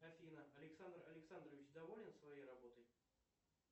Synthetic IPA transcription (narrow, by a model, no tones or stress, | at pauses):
ɐfʲinəɐlʲɪksand̪rɐ̰lʲɪksand̪rəvʲɪt͡ɕd̪ɐvolʲɪnsvɐjejrɐbo̞t̪ɤj